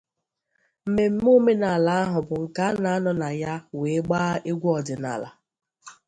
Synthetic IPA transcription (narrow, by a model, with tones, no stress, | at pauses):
m̩˨me˨m̩˦m˦o˦me˦na˨la˨a˦ɦʊ˨bʊ˨ŋ̩˨ka˦na˨a˦nɔ˨na˨ja˦we˨˦ɡ͡ba˦e˦ɡʷu˦ɔ˨dɪ˨na̰˨la̰˨